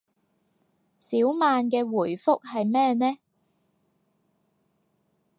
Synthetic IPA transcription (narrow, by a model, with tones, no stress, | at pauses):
siː˨˥wmaː˨˧nkɛː˧wuː˨˩jfʊ˥k̚hɐ˨jmɛː˥nɛː˥